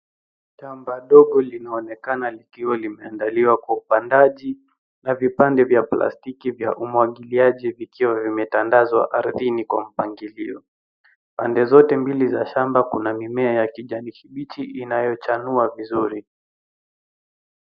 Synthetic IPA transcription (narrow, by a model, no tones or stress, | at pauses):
tambaɗɔɠɔlinaɔnɛkanalikiwalimɛandaliwakwaupandaʄi | navipandɛvjapla̰stikivja̰ʔumwaɠiliaʄivikiwavimɛtandazwa̰ʔaɾðinikwa̰m̩paŋɡiliɔ | pa̰ndɛzɔtɛmbilizaʃambakunamimɛajakiʄanikiɓitiʔinajɔt͡ʃanuavizuɾi